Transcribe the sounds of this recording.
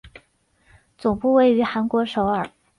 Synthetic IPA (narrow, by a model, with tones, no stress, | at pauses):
t͡sʊ˨˩ŋpu˥˧we˥˩ɪy˧˥xa˧˥nkwɔ˧˥ʂo˧˥ʊə˞˨˩˦